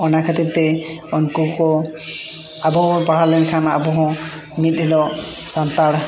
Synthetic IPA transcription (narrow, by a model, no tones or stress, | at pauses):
ɔnakʰat̪it̪̚t̪ːɛ | ɔnkukɔ | abɔɦpaɽ̤alɛnkʰana̰bɔɦɔ̃ | mit̪̚ˀɦilɔ | sant̪aɽ